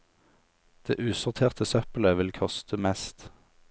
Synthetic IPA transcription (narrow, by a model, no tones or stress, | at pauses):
d̪̥eːʔʉːsʊʁt̪ʰeːʁt̪ʰəsœpəl̩əʋɪlkʰɔst̪ʰəmɛst̪